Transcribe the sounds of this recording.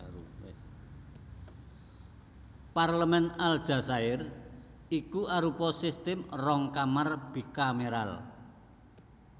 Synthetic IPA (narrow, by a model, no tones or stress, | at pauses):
parləmɛnald̥ʒ̥a̤saɪr | ikuʔaɾupɔsist̪ɪmrɔŋkamarb̥i̤kameɾa̰l